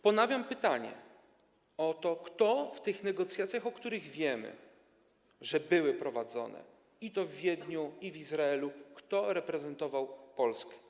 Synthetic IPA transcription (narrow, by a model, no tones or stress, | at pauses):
pɔnavʲjampɘt̪aɲɛ̰ | ɔt̪ɔkt̪ɔft̪ɘxnɛɡɔt̪sʲjat̪sʲjaxɔkt̪uɾɘɣvʲjɛmɘ̰ | ʐɛbɘwɘpɾɔvad̪zɔ̰nɛ̰ | it̪ɔvːʲjɛd̪ɲuivizɾaɛlukt̪ɔɾɛpɾɛzɛnt̪ɔvawpɔlskɛ̥